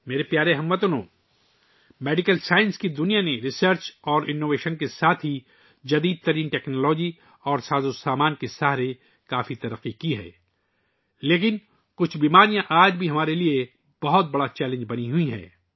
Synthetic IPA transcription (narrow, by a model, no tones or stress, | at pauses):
meːɾepjaːɾeɦɐmʋɐt̪ʊnõː | meːɖɪkəlsaːɪ̃nskid̪ʊnijaneɾɪsəɾt͡ʃɔːɾʔɪnːoːʋeːʃənkesaːt̪ʰɦi | d͡ʒɐd̪iːd̪̚t̪ɐɾiːnʈɛːknɔːlɔːd͡ʒi | ɔːɾsaːzosaːmaːnkesaːɦɾe | kaːfit̪ɐɾəqːikiɦɛ̰ː | leːk̬ɪn | kʊt͡ʃʰbiːmaːɾijãʔaːd͡ʒbʱiɦɐmaːɾelie | b̥ɐɦʊt̪̚bɐɽat͡ʃɛːlɪ̃ɲd͡ʒbɐniɦʊiɦɛ̰̃ː